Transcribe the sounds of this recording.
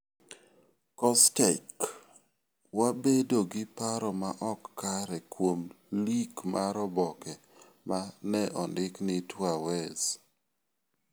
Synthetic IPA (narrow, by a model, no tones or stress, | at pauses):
kɔstɛk | wabedoɡɪpaɾɔmaʔɔkːaɾɛkwom | likmʔaɾɔbɔkɛ | manɛʔɔndɪknɪtwawɛz